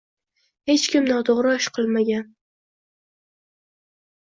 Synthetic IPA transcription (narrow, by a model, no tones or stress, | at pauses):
he̞t͡ʃkʲɪmnɒt̪ʰoʁɾɒʃqʰɨlˠmaɡʲan